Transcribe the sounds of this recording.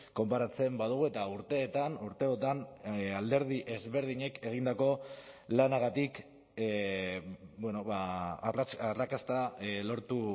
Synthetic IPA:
ko̞mpaɾat͡se̞mbaðuɣ̞ue̞t̪auɾt̪e̞ːt̪anuɾt̪e̞ot̪anald̪e̞ɾðiʔe̞zβe̞ɾð̞iɲe̞ke̞ɣ̞ind̪ako̞lanaɣ̞at̪ik | bwe̞no̞βa | arakast̪alo̞ɾt̪u

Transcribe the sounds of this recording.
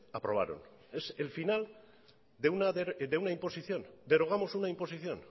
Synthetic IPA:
apɾo̞β̞a̰ɾo̞̰n | ese̞lfinal | d̪eunaðed̪eunaimpo̞siθjo̞nd̪e̞ɾo̞ɣ̞amo̞sunaimpo̞siθjo̞̰n

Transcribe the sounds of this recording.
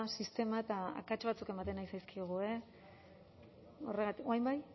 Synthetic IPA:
sist̪e̞maet̪aa̰kat͡ʃβat͡suke̞mat̪e̞najsajskioɣ̞ue̞ | o̞re̞ɣ̞at̪ikoajmbaj

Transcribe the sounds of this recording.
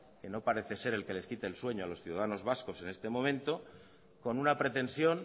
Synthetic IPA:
ke̞no̞paɾe̞θe̞se̞ɾe̞lke̞le̞skit̪eːlswe̞ɲoalo̞sθjuðaðano̞zβasko̞se̞ne̞st̪e̞mõ̞mẽnt̪o̞ | ko̞nunapɾe̞t̪e̞nsjo̞ŋ

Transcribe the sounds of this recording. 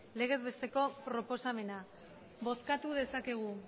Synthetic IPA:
le̞ɣ̞e̞zβe̞st̪e̞ko̞pɾo̞po̞same̞na | bo̞skat̪uð̞e̞sake̞ɣ̞u

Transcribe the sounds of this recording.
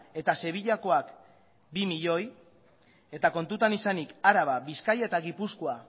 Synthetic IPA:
e̞t̪ase̞β̞iʎako̞ak | bimiʎo̞j | e̞t̪ako̞nt̪ut̪anisanikaɾaβaβiskaje̞t̪aɣipuskoa

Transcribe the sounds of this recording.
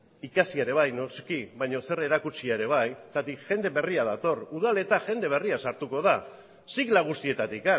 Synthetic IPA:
ikasiaɾe̞β̞ajnoskiβajɲo̞se̞ɾe̞ɾakut͡ʃiaeɾe̞β̞ajt̪at̪ikʝe̞nd̪e̞βe̞riað̞at̪o̞ruðale̞t̪aʝe̞nd̪e̞β̞e̞riasaɾt̪uko̞ða | siklaɣ̞ust̪ie̞t̪at̪ika

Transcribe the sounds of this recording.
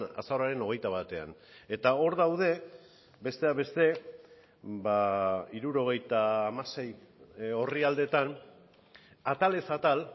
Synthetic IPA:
a̰saɾaɾe̞no̞ɣe̞jt̪aβat̪e̞a̰ne̞t̪ao̞ɾðawðe̞ | be̞st̪e̞aβe̞st̪e̞ | baiɾuɾo̞ɣ̞e̞jt̪aːmase̞j | o̞riald̪e̞t̪an | at̪ale̞sat̪al

